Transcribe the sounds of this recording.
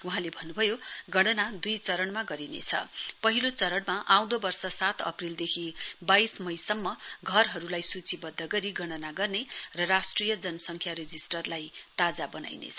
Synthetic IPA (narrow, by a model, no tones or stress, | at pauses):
uɦãlebʱʌnːubʱʌjoɡʌɽ̃ʌnad̪ujt͡sʌɾʌɽmaɡʌɾinḛt͡sʰʌ̰pʌɦilot͡sʌɾʌɽmaʔaw̃d̪ʌbʌrsʌsat̪ʰʌ̰prild̪ekʰibajsmʌjsʌmːʌɡʱʌrɦʌɾulajsut͡sibʌd̪ʱːʌɡʌɾiɡʌɽ̃ʌnaɡʌrnerʌrasʈrijʌd͡zʌnʌsʌŋkʰjaɾed͡zisʈʌrlajt̪ad͡zabʌna̰jnḛt͡sʰʌ